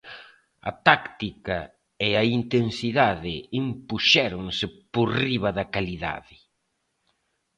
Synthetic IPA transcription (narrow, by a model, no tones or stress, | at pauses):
ɐ̰t̪akt̪ikɐ | ɪaint̪ensiðaðɪimpuʃɛɾʊŋsɪporiβɐðɐkaliða̰ðɪ